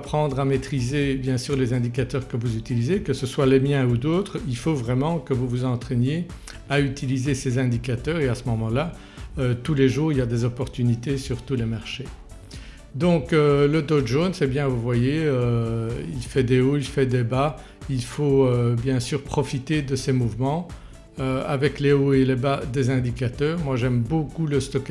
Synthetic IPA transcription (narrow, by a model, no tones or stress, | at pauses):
pχɑ̃d̪ʁamet̪χizebjɛ̃syːʁlezɛ̃d̪ikat̪œːʁkəvuzyt̪ilizekəsəswalemjɛ̃ud̪ot̪χilfovʁɛmɑ̃kəvuvuzɑ̃t̪χɛnje | ayt̪ilizesezɛ̃d̪ikat̪œːʁeasəmɔmɑ̃la | øt̪uleʒuːʁiljad̪ezɔpɔʁt̪ynit̪esyʁt̪ulemaʁʃe | d̪ɔ̃køləd̪od̪ʒonsɛbjɛ̃vuvwajeøḭlfɛd̪eoilfɛd̪eba | ilfoøbjɛ̃syːʁpχɔfit̪ed̪əsɛmuvmɑ̃ | øavɛkleoelebad̪ezɛ̃d̪ikat̪œːʁmwaʒɛmbokuləst̪ɔk